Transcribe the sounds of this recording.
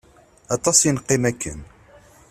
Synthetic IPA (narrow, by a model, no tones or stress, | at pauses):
ɑt̪ˤɑsjinqːimækːə̰n